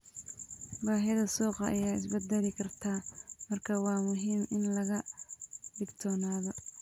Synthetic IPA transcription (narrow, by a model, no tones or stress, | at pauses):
baːɦɛðɐsɔːqɑɐ̰jaːɪ̰sbɐd̪ɛlɪkʰɐrt̪ʰaːmɐrkʰawɑːmʊɦiːmɪnlɐɣɐ | ɖɪɡt̪ʰɔːnaːðɔ